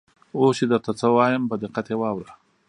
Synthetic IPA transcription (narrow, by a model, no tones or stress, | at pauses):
osed̪əɾt̪at͡səwɑjəmpəd̪ɪqat̪ewɑwɾa